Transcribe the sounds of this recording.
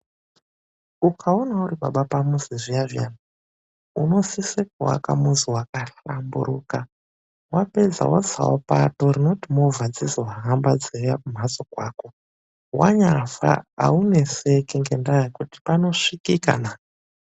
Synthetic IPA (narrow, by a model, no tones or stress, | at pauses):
ukʰaonauɾiɓa̰ɓapamuziʐiaʐijana | uno̞sisekwa̰ka̰muziwakaɬambṵɾuːka | wape̞d͡za̰wo̰sa̰wo̰pa̰to̞ɾino̞timovad͡ziziwaɦambad͡zejakum̤asokwaːko̞ | wa̰ɲafa̰a̰une̞sekeŋɡendajekuti̥pano̞ʂikika̰na